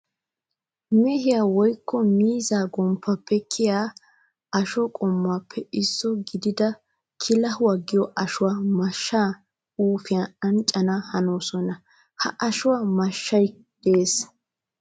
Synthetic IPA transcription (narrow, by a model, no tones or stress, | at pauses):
mɛhɪjaːwɔjkːɔmiːzaːɡɔmpːɐpːɛkʰɪjaː | ɐʃɔkʼɔmːapʰːɛɪsːɔɡɪd̪ɪd̪ɐ | kʰɪlɐhʊwaɡɪjɔʔɐʃʊwaːmɐʃːaː | uːfɪjaɐnt͡ʃʼːɐnahɐnoːsɔnɐ | hɐ̰ʔɐʃʊwamɐʃːɐj | d̪̥eːs